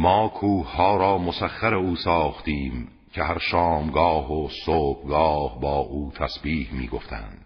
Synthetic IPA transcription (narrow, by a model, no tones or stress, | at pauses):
mɒːkʰuːhhɒːɾɒːmosæχːæɾeuːsɒːχt̪iːm | kʰeɦæɾʃɑːmɡɒːhosoːb̥ɡɒːhbɒːʔuːt̪ʰæsbiːhmḭːɡoft̪ʰæ̰nd̪̥